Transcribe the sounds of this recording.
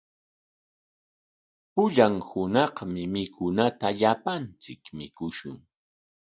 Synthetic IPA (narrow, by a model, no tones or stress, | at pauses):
pʊʎaŋhʊnɑχmɪmɪkʰʊnat̪aʎapant͡sɪkmɪkʊʃʊ̰ŋ